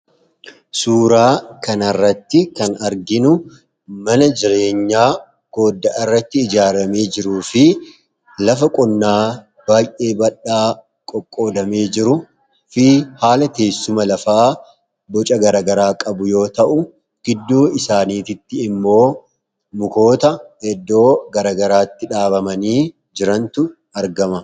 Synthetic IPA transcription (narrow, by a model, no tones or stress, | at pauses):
suːɾaːkɐnɐrːɐt̪ːɪkɐnɐɾɡɪnʊ | mɐnɐd͡ʒɪɾe̞ːɲːaː | ɡ̥o̞ːd̪ːɐʔɪrːɐt̪ːɪːd͡ʒaːɾɐme̞ːd͡ʒɪɾuːfɪ | lɐfɐkʼɔnːaː | b̥aːjʔe̞ːbɐᶑaː | kʼɔkʼːo̞ːd̪ɐme̞ːd͡ʒɪɾʊ | fɪhaːlɐt̪e̞ːsːʊmɐlɐfaː | bɔt͡ʃʼɐɡɐɾaːɡɐɾaːkʼɐbʊjo̞ːt̪ɐʔʊ | ɡ̥ɪd̪ːuːɪsaːniːt̪ɪt̪ːɪɪmːo̞ː | mʊko̞ːt̪ɐɛd̪ːo̞ːɡɐɾaːɡɐɾaːt̪ːɪᶑaːbɐmɐniː | d͡ʒɪɾɐnt̪ʊ | ɐɾɡɐmɐ